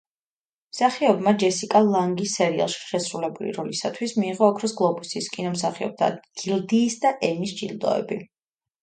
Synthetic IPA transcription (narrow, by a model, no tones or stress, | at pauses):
msaχiɔbmad͡ʒɛsikʼalˠaŋɡisːɛɾia̰lˠʃi̥ʃɛsɾulɛbulḭɾɔlisat̪ʰwismiːʁɔːkʰɾɔsɡlˠɔbusiskʼinɔmsaχiɔ̰b̥̚t̪ʰa̰ɡ̥ild̪iːsd̪aʔɛmisd͡ʒild̪ɔ̰ɛ̰bi